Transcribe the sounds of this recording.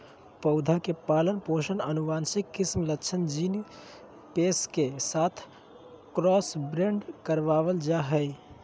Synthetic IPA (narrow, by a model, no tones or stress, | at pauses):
pəʊd̪ʱakepalənpoʃənənuʋansikːismlətːt͡ʃʰənd͡ʒin | peskesat̪ʰ | kɾɔsbɾeɳɖkəɾʋaβəld͡ʒaɦəj